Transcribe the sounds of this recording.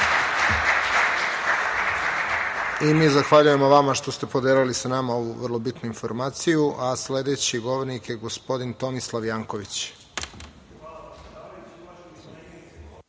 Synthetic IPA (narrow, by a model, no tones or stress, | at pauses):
imiːzaxʋaʎuje̞moʋamaʃt̪ost̪e̞po̞d̪eːlilisanamao̞ʋṵʋər̩lˠo̞bit̪nuinfo̞̰ɾmaːt̪sijuʔasle̞d̪e̞ːt͡ɕiɡo̞ʋoɾnikjeɡo̞spo̞d̪int̪o̞mislˠaʋjaːŋkoʋit͡ɕ